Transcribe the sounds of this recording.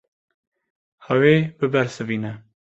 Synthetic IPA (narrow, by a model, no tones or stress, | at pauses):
hɛweːbɨbɛɾsɨviːnɛ